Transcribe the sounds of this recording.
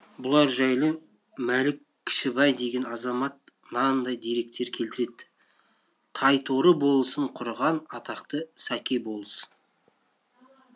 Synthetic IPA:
bʊlˠɑɾʒæjlˠə | mælɪkʲʰːɪ̥ʃɪbɑjd̪e̞ɡʲe̞nɑzɑmɑt̪̚ | nɑnd̪ɑjd̪eɾe̞k̚t̪e̞ɾkʲʰe̞lt̪ɪɾe̞d̪ɪ | t̪ʰɑjt̪ʰoɾəbo̞lˠəsəɴqʰʊɾʁɑnɑt̪ɑqt̪əsækʲe̞bo̞lˠəsə̥n

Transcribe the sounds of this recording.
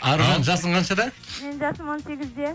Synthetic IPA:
ɑɾʁɑnʒɑsəɴqɑnʃɑd̪ɑme̞nʒɑsəmonseɡʲɪzd̪e

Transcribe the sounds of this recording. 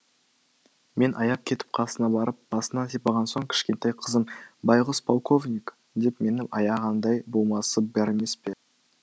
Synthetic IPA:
me̞nʔɑjɑp̚kʲʰe̞t̪ɪ̥p̚qʰɑsənɑbɑɾəp̚b̥ɑsənɑsijpɑʁɑnso̞ɴkʲʰɪ̥ʃkʲe̞nt̪ejqʰəzəmbɑjʁʊspʰolˠkʰo̞vnʲik | d̪e̞pme̞nɪʔɑjɑʁɑnd̪ɑjbulˠmɑsəbæɾe̞me̞spe̞

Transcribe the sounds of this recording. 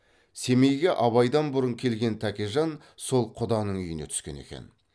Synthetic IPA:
se̞me̞jɡʲeʔɑβɑjd̪ɑnbʊɾəɴkʲʰe̞lɡʲe̞nt̪ʰækʲeʒɑn | so̞lˠqʰʊd̪ɑnəɴʏjəne̞t̪ʰʏ̥skʲe̞̰ne̞̰kʲe̞̰n

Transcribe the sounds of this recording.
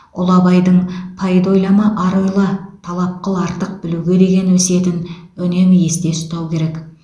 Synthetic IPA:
ʊ̰lˠɑbɑjd̪əɴpʰajid̪o̞jlɑmɑʔɑɾojlˠɑt̪ʰɑlˠɑp̚qəlˠɑɾt̪əq̚bɪluɡʲe̞d̪e̞ɡʲe̞nwɵse̞t̪ɪnɵne̞mje̞st̪e̞sʊ̥t̪ɑwkʲʰe̞ɾe̞k

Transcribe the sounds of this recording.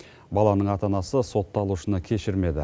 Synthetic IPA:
bɑlˠɑnəɴɑt̪ɑnɑsəso̞t̪ːɑlˠuʃənəkʲʰe̞ʃɪɾme̞d̪ɪ̰

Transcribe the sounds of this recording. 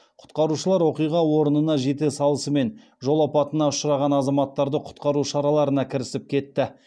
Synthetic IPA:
qʰʊ̥t̪qɑɾuʃəlˠɑɾwo̞qijʁɑwo̞ɾənənɑʒe̞t̪esɑlˠəsəme̞n | ʒo̞lˠɑpɑt̪ənɑʊʃəɾɑʁɑnɑzɑmɑt̪ːɑɾd̪əqʰʊ̥t̪qɑɾuʃɑɾɑlˠɑɾənɑkʲʰɪɾɪsɪp̚kʲʰe̞t̪ːɪ

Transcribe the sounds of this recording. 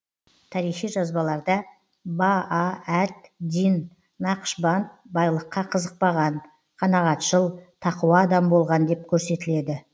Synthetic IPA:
t̪ʰɑɾijχijʒɑzbɑlˠɑɾd̪ɑ | baːæt̪d̪in | nɑqə̥ʃbɑnt̪̚bɑjlˠəqːɑqʰəzəq̚pɑʁɑn | qʰɑnɑʁɑt̪ʒəlˠt̪ʰɑquwɑːd̪ɑmbo̞lˠʁɑnd̪e̞p̚kʲʰɵɾse̞t̪ɪle̞d̪ɪ

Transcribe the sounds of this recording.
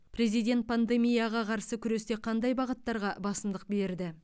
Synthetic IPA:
pɾe̞zijd̪ʲe̞nt̪̚pʰand̪e̞mijaʁɑqʰɑɾsəkʲʰʏɾe̞st̪e̞qʰɑnd̪ɑjbɑʁət̪ːɑɾʁɑbɑsəmd̪əq̚be̞ɾd̪ɪ

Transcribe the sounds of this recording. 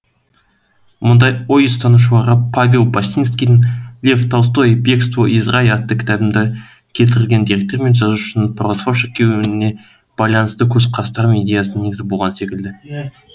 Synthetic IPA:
mʊnd̪ɑjo̞jəst̪ɑnuʃ̬əlˠɑʁəpʰavʲelˠbast̪ʲinskʲijd̪ɪŋlʲeft̪ʰɑwst̪o̞jbekst̪voʔizʁɑjɑt̪ːəkʲʰɪ̥t̪æbɪmd̪ɪ | kʲʰe̞lt̪ɪɾɪlɡʲe̞nd̪iɾʲe̞k̚t̪e̞ɾme̞nʒɑzuʊ̥ʃɪnpʰrosfoʃəkʲʰːewɪɪne̞ | b̥ɑjlˠɑnəst̪əkʲʰɵzqʰɑst̪ɑɾmʲed̪ʲejasəneɡɪzɪbo̞lˠʁɑnse̞kʲɪld̪ɪ

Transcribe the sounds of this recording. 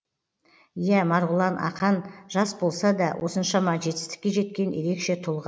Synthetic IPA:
jæmɑɾʁʊlˠɑnʔɑ̰qɑnʒ̥ɑsbo̞lˠsɑd̪ɑwʔo̞sənʃɑmɑʒe̞t̪ɪ̥st̪ɪ̥kʲːe̞ʒe̞t̪kʲe̞nje̞ɾe̞kʃe̞t̪ʰʊlˠʁɑ

